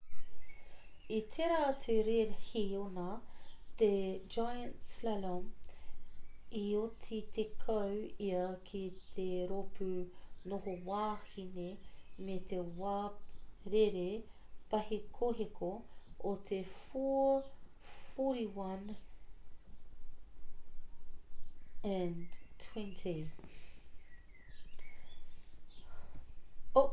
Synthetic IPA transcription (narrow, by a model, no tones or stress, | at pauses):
it̪ʰeɾat̪ʰeɾeɾhionɐt̪ed͡ʒajɐntslalom | iotʰit̪ʰekʰɐwiɐkʰit̪ʰeɾopʉnoɦowaːhinemet̪ewaːɾeɾe | pɐhekʰoɦekʰoot̪ʰefu | foɾiwɐn | ɛntʰwɛ̃ntʰi